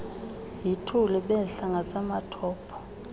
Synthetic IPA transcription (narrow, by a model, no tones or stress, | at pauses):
jitʰulɛɓɛɬaŋɡʱasʼamatʰɔːpʰɔ̥